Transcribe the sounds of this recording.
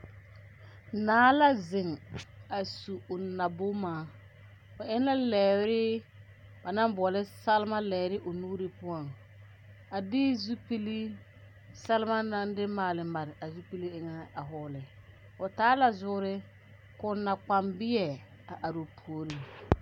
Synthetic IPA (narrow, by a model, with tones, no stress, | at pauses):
naː˨˦la˦zɪ˨ŋa˨su˨ʊ˨na˨bʊ˦maː˨˦ | ʊ˨ʔɪ˦n˦la˦lɛː˨wɾɪ˦ | ba˨na˦mbʊ˨ɔ˨lɪ˦sa˦lɪ˦ma˦lɛː˨ɾɪ˦ʔʊ˨nuː˦ɾɪ˦pʊ˦a˨ŋ | a˨dɪ˦zu˦pi˦li˦ | sa˦lɪ˦ma˦na˦ndɪ˦maː˨lɪ˨ma˨ɾɪ˨ʔa˨zu˦pi˦li˦ɪ˨ŋa˦a˨ɦʊː˨lɪ˨ | ʊ˨taː˦la˨zʊ˦ʊ˦ɾɪ˦ | kʊ˨nːa˨k͡pa˨mbɪ˦ɛ˨ | a˨ʔa˨ɾʊ˨pʰu˨o˨ɾi˦